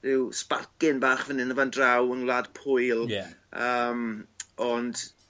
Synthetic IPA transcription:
rɪwspa̰kɪnbaːχvənɪnəvandrawəŋlˠad̥pʰʊjlˠəːmɔnd̥

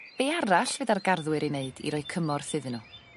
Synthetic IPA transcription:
b̥eaɾaɬvɨdarɡarðwɨɾineɨdḭɾɔɨkʰəmɔrθɨðɨnu

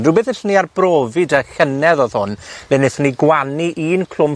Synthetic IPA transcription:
dubeθɪɬniarbroːvɨdəxənɛðɔðhʊnlɛnɪθniɡwaniʔiːnkʰl̥ʊm

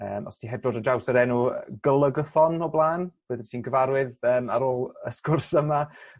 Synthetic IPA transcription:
ə̰ːmɔ̰stʰiɦɛb̚dɔdəd͡ʒawsəɾɛnuɡəlˠəɡəθɔnɔblˠaːnb̥əːðətʰiːnɡəvaɾwɪðəːmaɾoːlˠəskʊrsəma

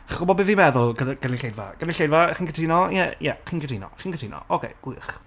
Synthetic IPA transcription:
χɡ̥ʊbɔbɪvimɛðʊlˠɡəɡənɪɬejdva̰ɡ̥ənɪɬejdvaχiːnkʰətʰiːnɔjɛjɛχiːnkʰətʰiːnɔ̰χiːnkʰətʰiːnɔ̰ʔɔkʰḛjɡ̥wɪ̰χ

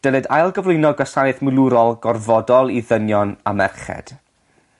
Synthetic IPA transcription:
d̥əlˠɨdajlˠɡəvlˠʊɨnɔɡwasanɨθməlˠuɾɔlˠɡɔrvɔdɔlˠiðənjɔnamɛrχɛ̰d̥

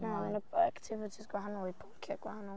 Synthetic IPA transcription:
naɛnəaktʰɪvɪtʰisɡ̥wahanɔlˠipʰʊŋkʰjaɡ̥wahanɔlˠ

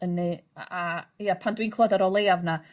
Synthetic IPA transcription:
ənɨajapʰandwiːnkʰlˠəðɛɾɔlˠeːavna

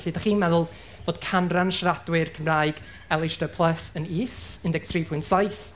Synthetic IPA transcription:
ɬidaχiːnmɛðʊlˠ | b̥oːd̥̚kʰanranʃaradwɨrkʰəmraːɨɡ̥ | ɛlˠɪʃdəpʰlˠəsəniːsɪndɛɡ̥̚tʰriːpʰʊɨntsajθ

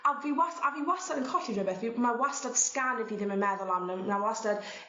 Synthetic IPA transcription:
aviːwasaviːwastadənkʰɔɬirɪbɛθvimarwastad̥skanɪviːðɪmənmɛðɔlˠamnənawastad̥

